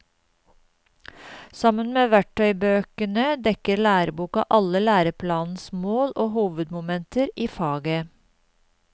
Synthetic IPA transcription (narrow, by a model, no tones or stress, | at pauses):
sɑmənmeːʋæʈʰœʏbøːkənəd̪ɛkəɾlæːɾəbuːkɑ̰ʔɑləlæːɾəpʰlɑːnn̩smoːlʔoːhuːʋəd̪mʊmɛnt̪əɾiːfɑːɡə